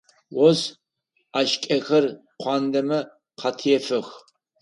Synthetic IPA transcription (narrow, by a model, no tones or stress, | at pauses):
wɔz | aːʃkʲʼɐxɐr | qʷɑːndɐmɐ | qʰɑtʰjɛfɨx